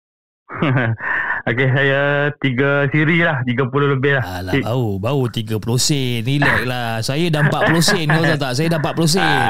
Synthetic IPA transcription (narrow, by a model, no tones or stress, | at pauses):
okesajat̪iɡəsiɾilaht̪iɡapuloləbɪhlahalabaubaut̪iɡəplosɛnilɛk̚lasajadampaʔplosɛnkos̬at̪aʔsajadampaʔplos̬ɛn